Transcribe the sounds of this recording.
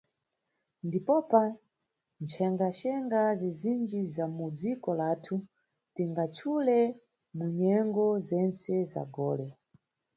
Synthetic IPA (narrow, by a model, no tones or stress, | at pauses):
ndipɔpa | nt͡ʃʰɛŋɡaʃɛŋɡazizind͡ʒizamud͡zikɔlaːtʰu | tiŋɡat͡ʃʰulɛ | muɲɛŋɡɔzɛnsɛza̰ɡɔːlɛ